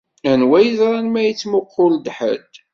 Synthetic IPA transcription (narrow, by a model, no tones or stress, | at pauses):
ænwæjəzɾˤɑnmæjət͡sːmʊqʰːʊld̪ħə̰d̪